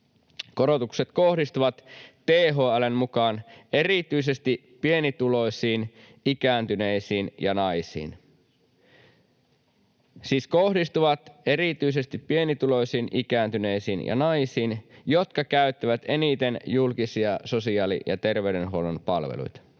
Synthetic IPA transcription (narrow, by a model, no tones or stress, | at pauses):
ko̞ɾo̞t̪ukset̪ko̞hdist̪uʋɑt̪ː | eːɦoːælemmukɑːne̞rit̪yis̬e̞st̪ippie̞nit̪ulo̞jsiːn | ikæːnt̪yneisiːnjɑnɑjsḭːn | siːskohdist̪uʋɑt̪e̞rit̪yis̬e̞st̪ipːie̞nit̪ulo̞jsiːnʔikæːnt̪yne̞isiːnjɑ̰nɑjsiːnjo̞t̪kɑkæyt̪ːiʋæt̪e̞nit̪e̞njulkisiɑso̞siɑːlḭjɑ̰t̪e̞rʋeyɾenɦoolonpɑ̰lʋḛlṵjt̪ɑ̥